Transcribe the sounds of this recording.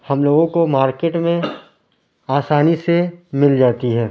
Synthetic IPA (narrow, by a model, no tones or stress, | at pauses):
hɐmloːɡõkomaːɾkeːʈmẽ | aːsaːnisemɪld͡ʒaːt̪iɦɛː